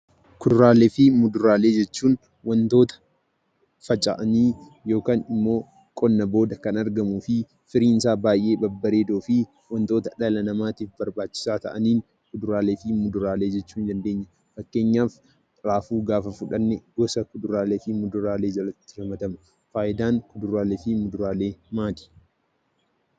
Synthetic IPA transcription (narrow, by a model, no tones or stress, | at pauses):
kʊd̪ʊɾaːleːfɪmʊd̪ʊɾaːle̞ːd͡ʒɛt͡ʃːuːn | wɐnt̪o̞ːt̪ɐ̥ | fɐt͡ʃʼɐ̰ʔɐniː | jo̞ːkaːnɪmːo̞ː | kʼɔnːɐboːd̪ɐkɐnɐɾɡɐmufɪ | fɪɾiːnsaːbaːjʔe̞ːbɐbːɐɾe̞ːd̪oːfɪ | wɐnt̪o̞ːt̪ɐᶑɐlɐnɐmaːt̪iːfbɐɾbaːt͡ʃːɪ̥saːt̪ɐ̰ʔɐniːn | kʊd̪ʊɾaːle̞ːfɪmʊd̪ʊɾaːle̞ːd͡ʒɛt͡ʃːuːnd̪ɐnd̪e̞ːɲːɐ | fɐkːe̞ːɲːaːfʼ | ɾaːfuːɡaːfɐfʊᶑɐnːɛɡɔsɐkʊd̪ʊɾaːle̞ːfɪmʊd̪ʊɾaːle̞ːd͡ʒɐlɐt̪ːɪ̥ɾɐmɐt̪ɐmɐ̥ | faːʔɪd̪aːŋkʊd̪ʊɾaːleːfɪmʊd̪ʊɾaːle̞ːmaːt̪i̥